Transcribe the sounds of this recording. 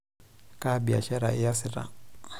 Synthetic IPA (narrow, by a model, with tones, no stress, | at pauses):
kʼa˦bi˨a̰˨ʃɛ˦ɾa˨ɪ˦ja˦sɪ˨ɾa̰˨